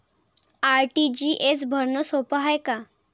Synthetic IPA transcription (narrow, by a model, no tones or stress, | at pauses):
aɾʈid͡ʑiːʔesbʱəɾnəsopəɦajka